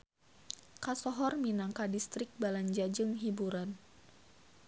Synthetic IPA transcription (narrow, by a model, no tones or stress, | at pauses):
kasɔɦɔrminaŋkadist̪ɾɪk̚balaɲd͡ʒad͡ʒɨŋɦibuɾan